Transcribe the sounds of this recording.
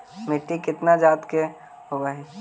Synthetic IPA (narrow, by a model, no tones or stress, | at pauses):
mɪʈːikɪt̪nad͡ʒaːt̪ke | ɦoɡaɦɛ